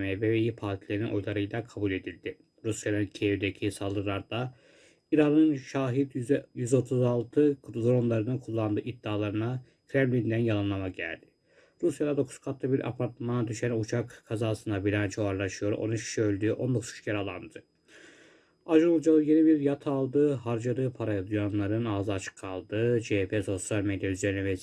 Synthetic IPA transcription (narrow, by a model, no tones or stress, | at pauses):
meveβejipʰaɾt̪ʰilʲeɾninʔo̞jlˠaɾɯjlˠakʰabulʲe̞d̪ilʲd̪i | ɾusjanɯncʰeevd̪ecʰisalˠd̪ɯɾlˠaɾd̪a | iɾanɯnʃaːɦid̪jyzo̞t̪ʰuzalˠt̪ʰɯd̪ɾo̞nlˠaɾɯnɯnkʰulˠːand̪ɯːʔid̪ːaːlˠaɾɯna | kʰɾɛmlʲind̪ænjalˠanlˠamaɟæ̰lʲd̪ɪ̥ | ɾusjad̪ad̪o̞kʰu̥skʰat̪ʰlˠabiɾʔa̰pʰaɾt̪mad̪yʃɛnut͡ʃʰakkʰːazaːsɯnd̪abilʲant͡ʃʰoaɾlˠaʃɯjo̞ɾo̞̰nuʃʰi̥ʃiø̞lʲd̪yːʔo̞nd̪o̞kʰuzu̥t͡ʃʃceɾalˠa̰nd̪ɯ | aʒɯnulˠd͡ʒalˠɯje̞nibiɾjat̪ʰalˠd̪ɯhaɾd͡ʒad̪ɯpʰaɾajad̪ujanlˠaɾɯnaːzɯat͡ʃʰɯ̥kʰːalˠd̪ɯd͡ʒepʰeːso̞sjalʲmed̪jayze̞ɾinɛvɛ